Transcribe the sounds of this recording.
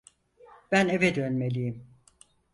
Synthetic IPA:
b̥æne̞vɛd̪ønme̞lʲijim

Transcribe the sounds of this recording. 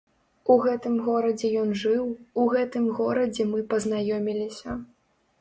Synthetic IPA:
uɣɛt̪ɨmɣɔɾɐd͡zʲɛjɔnʐɨwuɣɛt̪ɨmɣɔɾɐd͡zʲɛmɨpɐznajɔmʲilʲisʲɐ

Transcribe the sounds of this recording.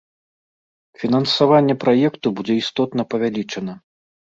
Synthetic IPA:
fʲinɐnsavanʲːɛpɾajɛkt̪ubud͡zʲɛist̪ɔt̪nɐpɐvʲalʲit͡ʂɐnɐ

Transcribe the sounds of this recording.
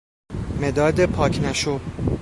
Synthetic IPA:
med̪ɒːd̪epʰɒːcʰnæʃo

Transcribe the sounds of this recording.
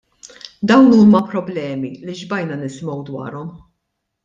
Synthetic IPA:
d̪ɐwnuːmɐpɾɔblɛːmiliʒbɐjnɐnɪsmɔwd̪wɐ̰ːɾɔm

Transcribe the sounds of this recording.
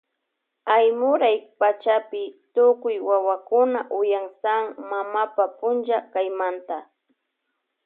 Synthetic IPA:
ajmʊɾajpat͡ʃapɪt̪ʊkʊjwawakʊnaʔʊjaŋsaŋmamapapʊnʒakajmant̪a

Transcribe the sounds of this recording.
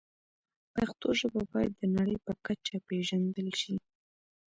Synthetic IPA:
paxt̪oʒəbabɑjad̪ːənaɽəjpəkat͡ʃapeʒand̪əlʃi

